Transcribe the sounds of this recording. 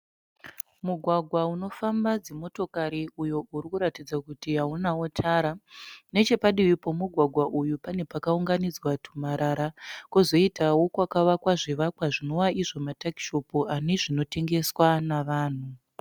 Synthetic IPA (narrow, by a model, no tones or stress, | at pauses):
muɡʱwaɡʱwauno̞fambad͡zemo̞to̞kaɾiujo̞ʔuɾikuɾatid͡zakutiɦaunawotʰaːɾane̞t͡ʃe̞paɗiʋipo̞muɡʱwaɡʱwaʔujupane̞pakauŋɡanid͡zwatʰu̥maɾaɾakuzo̞itawo̞kwakaʋakwaʐiʋakwaʐino̞waiʐo̞mataki̥ʃo̞puane̞ʐino̞te̞ŋɡe̞swanaʋaːn̤u